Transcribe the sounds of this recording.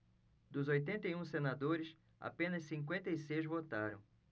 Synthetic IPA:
d̪ʊzojt̪ẽnt̪ɐiũsenad̪oɾɪs | a̰pẽnɐssĩŋk̬wẽnt̪ɐisejzvot̪aɾɐ̃w̃

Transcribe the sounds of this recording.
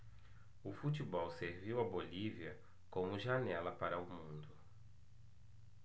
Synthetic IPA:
ʊfut̪ibɔwseɾviwɐboliviɐ | kõmʊʒanɛlɐpaɾɐʊmũnd̪ʊ

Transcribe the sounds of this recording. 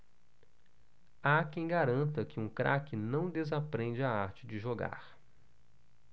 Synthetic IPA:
akẽj̃ɡaɾɐ̃nt̪ɐkɪũkɾʔakɪnɐ̃w̃d̪ezapɾẽnd͡ʒɪaaɾt͡ʃɪd͡ʒɪʒoɡa̰ɾ

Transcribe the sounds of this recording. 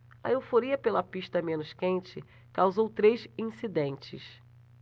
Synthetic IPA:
ɐ̰iwfoɾiɐpelɐpiʃt̪ɐmẽnʊskẽnt͡ʃɪ | kawzowt̪ɾesĩsid̪ẽnt͡ʃɪ̰s

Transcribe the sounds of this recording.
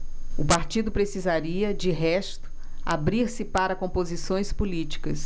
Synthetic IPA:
ʊpaɾt͡ʃid̪ʊpɾesizaɾiɐd͡ʒɪɦɛst̪ʊ̥ | a̰bɾiɾsɪpaɾɐkõmpozisõj̃spulit͡ʃi̥kɐs

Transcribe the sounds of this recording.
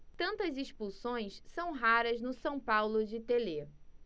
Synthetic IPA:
t̪ɐ̃nt̪ɐziʃpusõj̃ssɐ̃w̃ɦaɾɐznʊsɐ̃w̃pawlʊd͡ʒɪt̪ele

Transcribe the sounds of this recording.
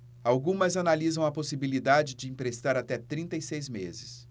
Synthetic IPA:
awɡũmɐzanalizɐ̃w̃ɐposibilid̪ad͡ʒɪd͡ʒɪĩpɾest̪aɾat̪ɛt̪ɾĩnt̪ɐjsejzmezɪs

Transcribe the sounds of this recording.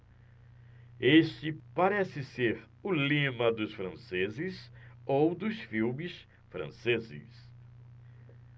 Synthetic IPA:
est͡ʃɪpaɾɛsɪseɾ | ʊlĩmɐd̪ʊsfɾɐ̃sezɪsowd̪ʊsfiwmɪs | fɾɐ̰̃sezɪ̰s

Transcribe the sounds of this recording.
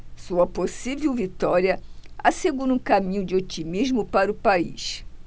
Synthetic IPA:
suɐposivewvit̪ɔɾiɐaseɡuɾũkamĩɲʊd͡ʒɪot͡ʃimiʒmʊpaɾʊpaḭʃ

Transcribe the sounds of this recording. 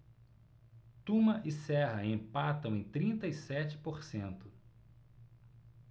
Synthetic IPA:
t̪ũmɐʔɪsɛɦɐẽpat̪ɐ̃w̃ẽj̃t̪ɾĩnt̪ɐisɛt͡ʃɪ̥poɾsẽnt̪ʊ

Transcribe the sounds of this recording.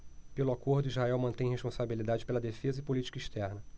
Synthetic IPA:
pelʊakoɾd̪ʊizhaɛwmɐ̃t̪ẽj̃ɦeʃpõsabilid̪ad͡ʒɪpelɐd̪efezɐɪpolit͡ʃi̥kɐiʃt̪ɛɾnɐ

